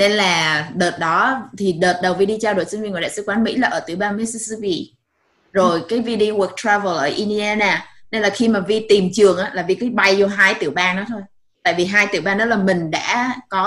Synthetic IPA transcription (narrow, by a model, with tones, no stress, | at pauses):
ne˧nlaː˨˩ɗəː˨˩t̚ɗɔ˨˦t̪ʰi˨˩ɗəː˨˩t̚ɗə˨˩wvi˧˩ɗi˧t͡ɕaː˧wɗo˧˩sŋvi˧˩ŋ̰˨jɗa̰ː˧˨sɨ˧kwaː˨˦nmḭ˧˥laː˨˩ʔəː˧˩t̪ɨ˧˩wɓaː˧nmi˧˦˥si˧si˧pi˧ | zo˨˩jkaː˨˦jvi˧ɗi˧wə˨˩k̚t̪ʰɾaː˧və˨˩lʔəː˧˩ʔi˧ni˧aː˧naː˨˧˩ne˧nlaː˨˩xi˧maː˨˩vi˧t̪i˨˩mt͡ɕɨ˨˩əŋʔaː˨˧˥laː˨˩vi˧˩ki˨˦ɓa˧jzɔ˧ɦaː˧jt̪ɨ˧˩əwɓaː˧nnɔ˨˦t̪ʰo˧j | t̪a̰ː˧˨jvi˨˩ɦaː˧jt̪ɨ˧˩əɓaː˧nɗɔ˨˦laː˨˩mï˨˩ŋ̟ɗa̰ː˧˥kɔ˨˦